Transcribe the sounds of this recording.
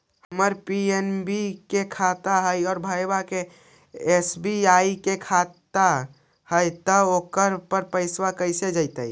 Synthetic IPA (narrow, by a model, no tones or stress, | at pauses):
həməɾpienbikekʰat̪aɦəjɔːɾbʱəjbake | esbiaikekʰat̪a | həjt̪əokəɾpəɾpəɪswakəɪsed͡ʒəjt̪ə̰j